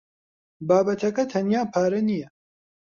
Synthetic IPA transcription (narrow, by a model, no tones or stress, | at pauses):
baːbɐt̪ʰɐkɐt̪ʰɐnjaːpʰaːɾɐnijɛ